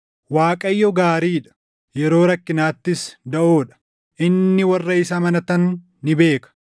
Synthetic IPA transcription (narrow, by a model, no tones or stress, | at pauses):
waːkʼɐjːɔɡaːɾiːᶑɐ̥ | jɛɾo̞ːɾɐkːɪnaːt̪ːɪsd̪ɐʔoːᶑɐ̥ | ʔɪnːɪwɐrːɐɪsɐmɐnɐt̪ɐnː | ɪbe̞ːkɐ̥